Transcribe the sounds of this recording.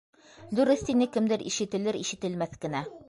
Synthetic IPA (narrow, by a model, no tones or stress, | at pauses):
d̪ʉɾɘθt̪inɘkɘ̆md̪ɘɾʔḭʃɘ̆t̪ɘ̆lɘɾḭʃɘ̆t̪ɘ̆lmæθkɘ̆næ